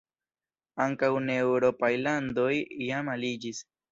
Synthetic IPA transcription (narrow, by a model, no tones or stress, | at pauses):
aŋkawnewɾopajland̪ojjamalid͡ʒis